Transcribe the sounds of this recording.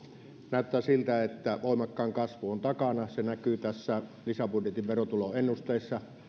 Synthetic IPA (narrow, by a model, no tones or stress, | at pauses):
næˑøt̪ːˑæːsilt̪æet̪ːæʋoˑimɑkːɑːŋkɑsʋuont̪ɑkɑnɑsenækyt̪æsːælisæpudjet̪iʋʋerot̪uloenːust̪eˑisːɑ